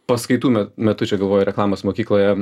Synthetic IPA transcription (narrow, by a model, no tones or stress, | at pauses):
pɐskɐɪt̪uːmʲɛmʲɛt̪ʊt͡ʃʲɛɡɐlˠʋoːjɛɾʲɛklˠɑːmosmoːkʲiːklˠoːjɛ